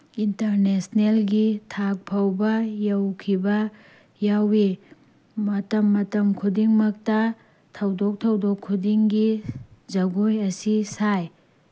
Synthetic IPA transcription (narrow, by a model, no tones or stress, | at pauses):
intɐɾnesnelɡitʰak̚pʰawbɐjɐwkʰibɐ | jawi | mɐtɐmːɐtɐmkʰudiŋmɐk̚tɐ | tʰɐwdok̚tʰɐwdokʰːudiŋɡizɐɡojɐsisaj